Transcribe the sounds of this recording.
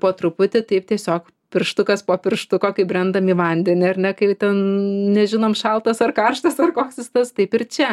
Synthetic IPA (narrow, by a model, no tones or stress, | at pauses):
poːt̪ɾʊpʊt̪ʲɪt̪ɐɪp̚t̪ʲiɛsʲoːk | pʲɪrʃt̪ʊkɐspoːpʲɪrʃt̪ʊkoːkɐɪbʲrʲɛnd̪ɐmiːʋɐnʲd̪ʲɛnʲɪɐrnʲɛkɐɪt̪ʲɛnnʲɛʒʲɪnoːmʃɐlˠt̪ɐsɐrkɐrʃt̪ɐsɐrkoːksʲɪst̪ɐst̪ɐɪpɪrt͡ʃʲɛ